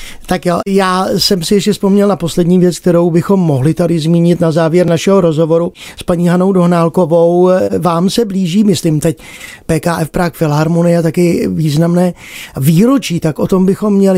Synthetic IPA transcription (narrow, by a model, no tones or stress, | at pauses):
t̪akjajaːsɛmsɪjɛʃcɛspo̞mɲɛlnapo̞slɛdɲiːvjɛt͡sk̚t̪ɛɾo̞wbɪxo̞mːo̞ɦlɪt̪adɪzmiːɲɪt̪nazaːvjɛɾnaʃɛɦo̞ɾo̞zɦo̞vo̞ɾuspaɲiːɦanowdo̞ɦnaːlko̞vo̞wvaːmsɛbliːʒiːmɪsliːmt̪ɛcpɛːkaːʔɛfpɾakfɪlɦaɾmonɪjat̪akɪviːznamnɛː | viːɾot͡ʃiːt̪akʔo̞t̪o̞mbɪxo̞mːɲɛlɪ